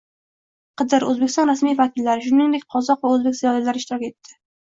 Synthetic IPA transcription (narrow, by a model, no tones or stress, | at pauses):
qʰɨd̪ɪɾɵzbekʲɪ̥sɒnɾasmijvakʲʰɪlːaɾɪʃ̬ʊnɪŋd̪ek̚ʲqʰɒzɒqvaɵzbekʲzijɒlilaɾɪʃt̪ɪɾɒkʲe̞t̪ʰːɪ̥